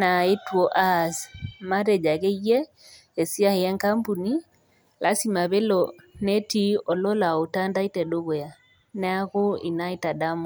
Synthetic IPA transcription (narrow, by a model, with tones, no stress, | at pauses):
na˨e˦tuɔ˨ʔa˦˨sma˦ɾɛ˨d͡ʒa˨ɣe˦jɛ˦ | e˨si˦a˦he˨a˦ŋka˦mpu˨ni˦ | lʔa˨˦si˦ma˨βe˦lɔ | ne˦ti˦ɔ˨lɔ˦la˨o˨ta˦nda˦i˦tɛ˨ɗo˦βo˨ja˨ | nɛ˦a˦ɣo˦i˨na˦i˦ta˨da˦mɔ˨